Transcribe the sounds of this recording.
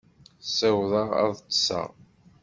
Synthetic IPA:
sɪwðˤɑʁɑ̰ðˤt̪ːsɑ̰ʁ

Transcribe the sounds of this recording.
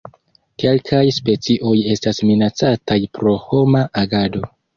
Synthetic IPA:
ke̞lkʰajspe̞t͡siʔo̞je̞stasminat͡satajpɾo̞ho̞maʔaɡado̞

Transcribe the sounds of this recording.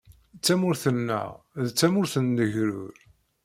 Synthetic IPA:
t͡sːæmʊɾθənːæ̰ʁ | ðt͡sːæmʊɾθənd̪əʝɾʊ̰ɾ

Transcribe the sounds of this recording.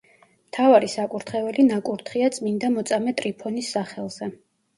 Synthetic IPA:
mt̪ʰavaɾisakʼuɾt̪ʰχɛvɛlinakʼuɾt̪ʰχiat̪sʼmind̪amɔt̪sʼamɛt̪ʼɾipʰɔnisːaχɛlˠz̥ɛ

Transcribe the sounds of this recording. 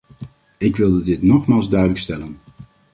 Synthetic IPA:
ɪkʋɪlˠdədɪtnɔχmaːlˠzdœɥdələkstɛlən

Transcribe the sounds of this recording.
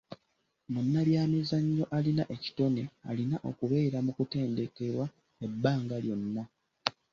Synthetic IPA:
munːaβjaːmizaɲːo̞ʔalinaʔe̞ci̥to̞ne̞a̰linaʔo̞̰kuβe̞ːɾamukute̞ːndekeɾwa | e̞bːaːŋɡaljo̞nːa

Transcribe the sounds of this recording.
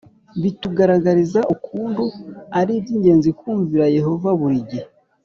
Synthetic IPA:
βituɡaɾaɡaɾizaʔukʰuːnduaɾibɟiːɲɟe̞ːnzikuːɱviɾaje̞ɦo̞vaβuɾiɟe

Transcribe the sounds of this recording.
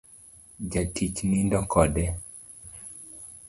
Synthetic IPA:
d͡ʒatit͡ʃnindɔkʰɔdɛ

